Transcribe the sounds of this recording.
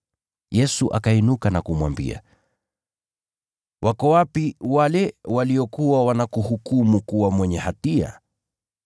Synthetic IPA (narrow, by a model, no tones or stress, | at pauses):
jɛsuʔa̰kainukanakumwambḭa̰ | wʔakɔwapiwalɛwaliɔkuwawanakuhukumukuwamwɛɲɛhatia̰